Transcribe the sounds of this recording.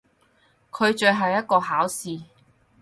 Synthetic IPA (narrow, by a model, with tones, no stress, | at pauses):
kʰɵ˨˧ɥt͡ʃɵ˧ɦɐ˨wjɐ˥t̚kɔː˧ɦaː˨˥wsiː˨